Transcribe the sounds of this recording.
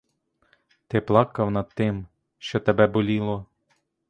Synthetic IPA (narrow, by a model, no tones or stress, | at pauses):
t̪ɪplˠɑkɐwnɐd̪̚t̪ːɪm | ʃt͡ʃɔt̪ebɛbɔlʲilˠɔ